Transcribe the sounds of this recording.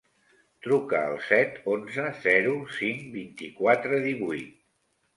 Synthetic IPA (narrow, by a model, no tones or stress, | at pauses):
t̪ɾukəə̰lˠsɛt̪onzəzɛɾusiŋbint̪ikwat̪ɾəðiβujt̪̚